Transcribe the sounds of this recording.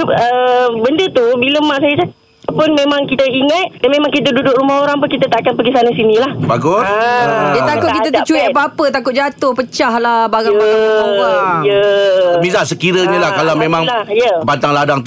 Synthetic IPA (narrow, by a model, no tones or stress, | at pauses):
əbəndət̪ubiləmaʔsajəsa | pʊnmemãŋkit̪əiŋət̪̚danmemãŋkit̪ədudʊk̚ɾumahoɾaŋpʊnkit̪ət̪aʔkanpəɡisanəsinĩlahbaɡʊsdat̪akʊtkit̪ət̪ət͡ʃuiʔapapət̪akʊt̪̚d͡ʒat̪ʊhpət͡ʃahlabaɡaŋaɡaowajəbizaʔsəkiɾəɲalahkalamẽmãŋajəbant̪aŋladaŋt̪